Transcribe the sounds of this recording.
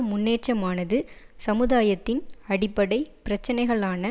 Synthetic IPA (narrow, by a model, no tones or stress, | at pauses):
mʊnːeːʈ̚t͡ʃɐmaːnɐðɯ | sɐmɯðaːjɐt̪ːɪnɐɽɪpːɐɽɐɪpɪɾɐt͡ʃːɐnɐɪɣɐɭaːnɐ